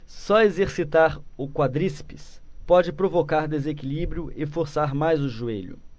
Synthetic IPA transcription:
sɔezeɾsit̪aɾʊkwad̪ɾispispɔd͡ʒɪpɾovokaɾd̪ezekilibɾiʊʔɪfoɾsaɾmajzʊʒueʎʊ̰

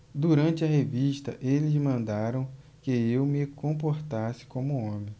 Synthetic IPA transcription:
d̪uɾɐ̃nt͡ʃɪɐɦeviʃt̪ɐʔelɪzmɐ̃nd̪aɾɐ̃w̃ | kɪewmɪkõp̬oɾt̪asɪ̥kõmʊõmẽj̃

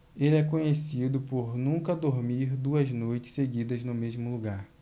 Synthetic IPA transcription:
elɪɛkõɲesid̪ʊpoɾnũkɐd̪oɾmiɾd̪uɐznojt͡ʃɪ̥seɡid̪ɐznʊmezmʊluɡaɾ

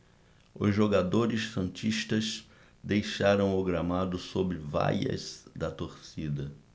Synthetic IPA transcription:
ʊ̰zʒoɡad̪oɾɪsfɐ̃t͡ʃiʃt̪ɐs | d̪ejʃaɾɐ̃w̃ʊɡɾamad̪ʊsobɾɪva̰jɐ̰zd̪ɐt̪oɾsid̪ɐ

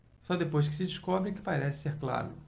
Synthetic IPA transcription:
sɔd̪epojs̬kɪ̥sɪd͡ʒiʃkɔbɾɪkɪ̥paɾɛsɪ̥seɾkla̰ɾʊ̰

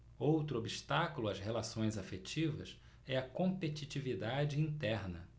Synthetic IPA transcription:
owt̪ɾʊobiʃt̪akulʊɐzhelasõj̃zafet͡ʃivɐs | ɛɐkõpet͡ʃit͡ʃivid̪ad͡ʒɪĩnt̪ɛɾnɐ

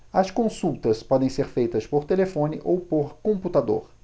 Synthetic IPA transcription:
ɐskõsuwt̪ɐspɔd̪ẽj̃seɾfejt̪ɐspoɾt̪elefõnɪʔowpoɾkõput̪ad̪o̰ɾ

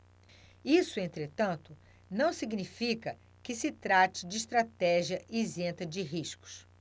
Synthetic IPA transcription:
isʊẽnt̪ɾet̪ɐ̃nt̪ʊ | nɐ̃w̃siɡnifikɐ | kɪsɪt̪ɾat͡ʃɪd͡ʒɪːʃt̪ɾat̪ɛʒiɐʔizẽt̪ɐd͡ʒɪɦiʃkʊ̥s

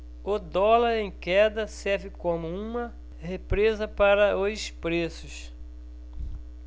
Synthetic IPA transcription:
ʊd̪ɔlɐɾẽj̃kɛd̪ɐsɛɾvɪkõmʊũmɐ | hepɾezɐpaɾɐospɾesʊs

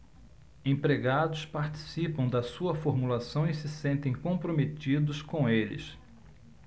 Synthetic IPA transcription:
ẽpɾeɡad̪ʊspaɾt͡ʃi̥sipɐ̃w̃d̪ɐsuɐfoɾmulasɐ̃w̃ɪsɪsẽnt̪ẽj̃kõpɾometid̪ʊskõelɪ̰s

